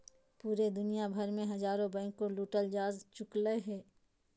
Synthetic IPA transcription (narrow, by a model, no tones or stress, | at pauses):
puːɾed̪ʊnijabʱɐɾmẽɦɐzaːɾõbɛ̃ːŋkːoluːʈəld͡ʒaːzt͡ʃʊkləɦɛː